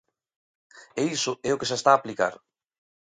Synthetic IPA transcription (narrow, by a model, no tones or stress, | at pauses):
eisʊɛʊkesest̪aːplika̰ɾ